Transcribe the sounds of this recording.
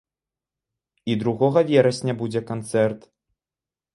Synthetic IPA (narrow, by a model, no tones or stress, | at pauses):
id̪ɾuɣɔɣɐvʲɛɾɐsʲnʲɐbud͡zʲɛkant̪sɛrt̪